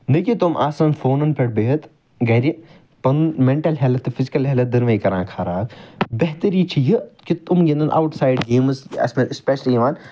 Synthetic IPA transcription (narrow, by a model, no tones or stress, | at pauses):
nɐkit̪umʔaːsɐːnfoːnɐnpɐɽbeɦɐt̪ | ɡɐːɾi | pɐnnmeɳʈɐlɦelɐt̪ːɨfʰɪzikɐlɦeːlɐt̪̚d̪ɐnʋɐjkɐɾãːkʰaːɾaːt̪bɐɦt̪əɾiːt͡ʃʰijikit̪umɡẽnd̪ɐnʔa̰ːwʈsaːjɖɡeːmsɐ̰smɐnspʲeʃliːʋaːn